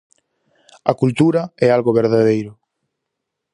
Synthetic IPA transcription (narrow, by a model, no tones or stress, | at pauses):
akult̪uɾaɛalɣoβeɾðaðejɾʊ